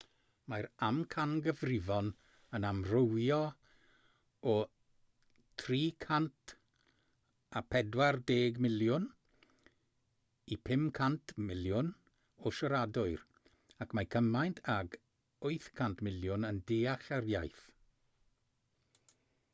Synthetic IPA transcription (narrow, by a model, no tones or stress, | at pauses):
majɾamkʰanɡəvrɪvɔn | ənamrowjɔ | ɔ | tʰriːkʰantʰ | apʰɛdwardeːɡmɪljʊn | ipʰɪmkʰantʰmɪljʊn | ɔʃɔɾadʊɨɾ | akʰmajkʰəmajntʰaɡ | ʊɨθkʰantʰmɪljʊnəndeːaχarjajθ